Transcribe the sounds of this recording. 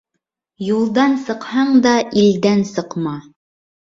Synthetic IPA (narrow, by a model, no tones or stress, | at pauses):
julˠd̪ɑnsɤ̆qhɑɴd̪ɑʔild̪ænsɤ̆qmɑ